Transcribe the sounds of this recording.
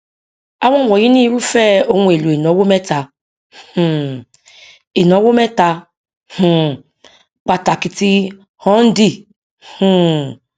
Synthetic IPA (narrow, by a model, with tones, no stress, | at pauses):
a˦wɔ˦˨wɔ˨ji˦ni˦ɾu˦fɛ˦o˦ŋʷ˨e˨lu˨e˨no˨˦wo˦me˦ta˨ | h̩˨ | e˨n˨o˨˦wo˦mɛ˦ta˦ | hu˨ | k͡pa˨ta˨ki˨ti˦ | hɔ˦n̩˦di˦ | hu˦˨